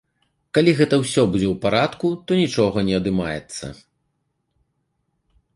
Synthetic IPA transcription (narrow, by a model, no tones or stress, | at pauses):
kalʲiɣɛt̪ɐwsʲɔbud͡zʲɛwpaɾat̪kut̪ɔnʲit͡ʂɔɣɐnʲɛɐd̪ɨmajɛ̰t̪sːɐ̰